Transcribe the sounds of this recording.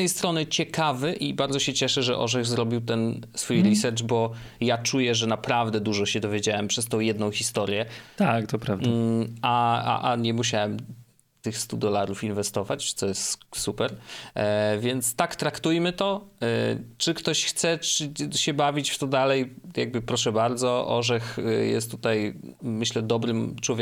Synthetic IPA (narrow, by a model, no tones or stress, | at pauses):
ɛjst̪ɾɔnɘt͡ɕɛkavɘʔibaɾd̪zɔɕɛt͡ɕɛʂɛʐɛ̰ʔɔ̰ʐɛɣzɾɔbʲiwt̪ɛnsfujɾisɛɾt͡ʂbɔ | jat͡ʂujɛʐɛnapɾavd̪ɛd̪uʐɔɕɛd̪ɔvʲjed͡ʑawɛmpʂɛst̪ɔ̃w̃jɛd̪nɔ̃w̃xʲist̪ɔɾjɛt̪akt̪ɔpɾavd̪aaa̰ʔaɲɛmuɕawɛm | t̪ɘxst̪ud̪ɔlaɾufinvɛst̪ɔvat͡ɕt̪ɔjɛst̪supɛɾ | vʲjɛnt̪st̪akt̪ɾakt̪ujmɘt̪ɔ | t͡ʂɘkt̪ɔɕxt̪sɛt͡ʂɘɕɛbavʲit͡ɕft̪ɔd̪alɛjja̰ɡ̚bɘpɾɔʂɛbaɾd̪zɔʔɔ̰ʐɛxjɛ̰st̪ːut̪aj | mɘɕlɛd̪ɔbɾɘmt͡ʂwɔvʲ